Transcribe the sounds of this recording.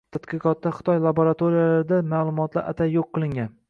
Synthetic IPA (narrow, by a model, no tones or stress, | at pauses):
t̪ʰat̪qɨqɒt̪̚ːaχɨ̥t̪ʰɒjlˠaboɾat̪ʰoɾijalaɾd̪amaːlˠʊmɒt̪la̰ɾʔa̰t̪ʰajoqʰːɨlˠɪŋɡʲan